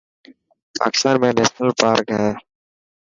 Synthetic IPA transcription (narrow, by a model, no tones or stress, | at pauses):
pa̰ːkɪ̥st̪aːnmɛ̃ːneːʃnəlpaːɾkɦɛ̃ː